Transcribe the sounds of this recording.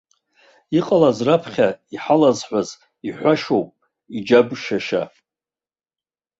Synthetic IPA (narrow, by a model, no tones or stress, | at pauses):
iqʼalazrapʰχʲaiħalazħʷᶣaz | iħʷaʃowpʼ | id͡ʒabʃaʃa̰